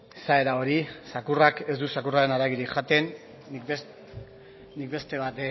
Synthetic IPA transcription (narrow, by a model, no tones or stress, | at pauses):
sae̞ɾao̞ɾisakurake̞zd̪usakuraɾe̞naɾaɣiɾikʝat̪e̞nː | i | ikbe̞st̪e̞βat̪e